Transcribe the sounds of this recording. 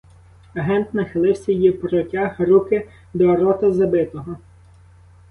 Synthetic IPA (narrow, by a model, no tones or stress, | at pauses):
ɐɦɛnt̪nɐxɪlˠɪwsʲɐjjipɾɔtʲaxɾukɪ | d̪ɔːɾɔt̪ɐzɐbɪt̪ɔɦɔ